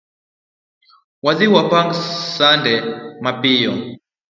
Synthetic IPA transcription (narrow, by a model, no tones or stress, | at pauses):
waziwapaŋɡsandɛmapijɔ